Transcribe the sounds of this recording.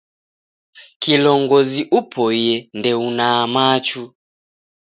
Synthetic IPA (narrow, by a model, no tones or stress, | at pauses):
kilɔŋɡɔziʔupʰɔjɛndɛunaːmat͡ʃu